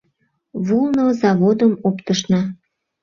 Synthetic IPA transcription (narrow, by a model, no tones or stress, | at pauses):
βulnozɑβod̪əmopt̪əʃ̬nɑ